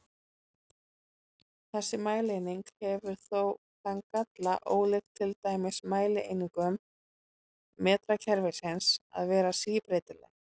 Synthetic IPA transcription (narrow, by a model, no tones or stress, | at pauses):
θɛsːɪmaːjlejniŋkhɛvʏɾ̥θow | θaŋkat̪laʔoːwlext̪ʰːɪlt̪aːjmɪsmaːjlɪʔḛjniŋkʏm | ɛːt̪ɾacʰɛɾvɪsɛnsa̰ðvɛːɾasiːpɾeːjt̪ɪlɛ̰ɣ